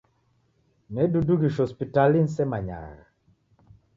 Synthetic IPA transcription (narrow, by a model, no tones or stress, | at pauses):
mɛduduɡiʃɔspitalinsɛmaɲa̰ɾa